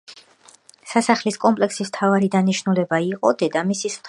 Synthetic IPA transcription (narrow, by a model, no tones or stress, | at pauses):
sasaχliskʼɔmpʼlɛksism̥t̪ʰavaɾid̪aniʃnulɛbaiqʼɔ̰d̪ɛd̪amisist̪ʰ